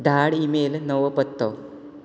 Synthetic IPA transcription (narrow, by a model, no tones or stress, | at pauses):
d̪ʱaɽimelnəʋəpət̪ːə